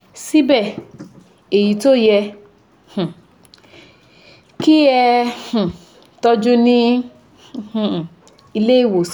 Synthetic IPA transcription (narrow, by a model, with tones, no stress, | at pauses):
si˦bɛ˦˨ | e˨ji˨to˦jɛ˧ | hũ˨ | ki˦ɛ˧hũ˨ | tɔ˧d͡ʒũ˦nĩ˦˧ | h̩˨ | i˧le˦i˦˨wo˨s